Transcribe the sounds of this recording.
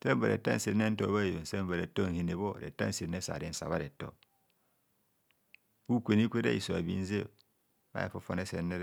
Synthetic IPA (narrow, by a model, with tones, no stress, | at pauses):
se˦m˦ba˨ɾḛ˨ta˦n̩˦se˨ɾne˦n̩˦to˦˨βa˦˨jo˨n̩˨se˦m˦ba˨ɾe˨to˦ŋ̩˨he˨ne˨βo˦˨ɾḛ˨ta̰˦˨˦si˨˦e˦sa̰˨ɾe˨n̩˦sa̰˨βa˦ɾe˨to̰˦ | u˦kʷe˨ni˦kʷe˦ɾa̰˦i˨so˨a˨bḭ˦n̩˦zḛ˦˨ | ma̰˦ḛ˨fo˦fo˨ne˦se˨nːe˦ɾ